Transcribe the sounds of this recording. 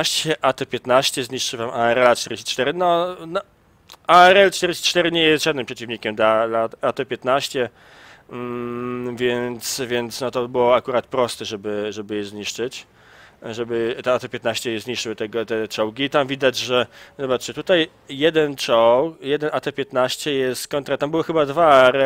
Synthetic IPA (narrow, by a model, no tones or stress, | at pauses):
ɕt͡ɕɛʔat̪ɛpʲjɛt̪naɕt͡ɕɛzɲiʂt͡ʂɘvamʔaɛɾɛlat͡ʂt̪ɛɾʲd͡ʑɪɕt͡ɕi̥t͡ʂt̪ɛɾɘnɔnɔ | aɛɾɛlt͡ʂt̪ɛɾʲɪɕt͡ɕi̥t͡ʂt̪ɛɾɘɲɛjɛst̪ʐad̪nɘmpʂɛt͡ɕivɲikʲɛmd̪lalat̪at̪ɛpʲjɛt̪naɕt͡ɕɛ | vʲjɛnt̪svʲjɛnt̪snɔt̪ɔbɘwɔakuɾat̪pɾɔst̪ɛʐɛbɘʐɛbɘjɛzɲiʂt͡ʂɘt͡ɕ | ʐɛbɘt̪ɛat̪ɛpʲjɛt̪naɕt͡ɕɛjɛzɲiʂt͡ʂɘwɘt̪ɛɡɔt̪ɛt͡ʂɔwɡʲiːt̪amvʲid̪ad͡ʑʐɛzɔbat̪ʂɛt̪ut̪aj | jɛd̪ɛnt͡ʂɔwkjɛd̪ɛnat̪ɛpʲjɛt̪naɕt͡ɕɛjɛst̪kɔnt̪ɾat̪ambɘwɘxɘbad̪vaɛɾɛ